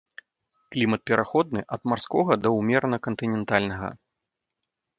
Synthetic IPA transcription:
klʲimɐt̪̚pʲɛɾʔaxɔd̪nɨʔɐd̪marskɔɣɐd̪ɐwmʲɛɾnɐkɐnt̪ɨnʲɛnt̪alʲnɐɣɐ̰

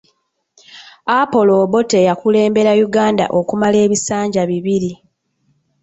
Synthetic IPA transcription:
apo̞lo̞ːβo̞tejakule̞ːmbe̞ɾajuɡaːnda̰ʔo̞kumale̞ːβisaːɲɟaβiβiɾi

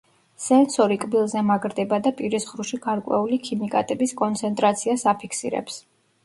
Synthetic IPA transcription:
sɛnsɔɾikʼbilˠzɛmaɡɾd̪ɛbad̪apʼiɾisʁɾuʃiɡ̥aɾkʼwɛ̰ulikʰimikʼa̰t̪ʼɛbiskʼɔnt̪sʰɛnt̪ʼɾat̪sʰiasapʰikʰsḭɾɛ̰ps

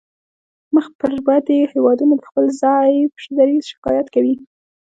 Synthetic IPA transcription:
məxpəɾwad̪ehewɑd̪unod̪əxpəlzɑjpʃed̪aɾizʃɪ̥kɑ̰jat̪kawi

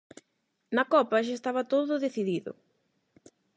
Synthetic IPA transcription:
nɐkɔpɐʃaest̪aβɐt̪oðʊðeθiðiðʊ̰

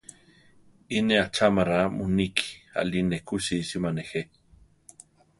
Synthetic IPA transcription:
ineat͡ʃamaɾamuniki̥a̰linekusisimanexe

